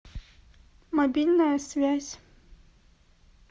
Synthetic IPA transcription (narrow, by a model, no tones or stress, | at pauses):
mɐbʲilʲnɐjəsvʲæsʲ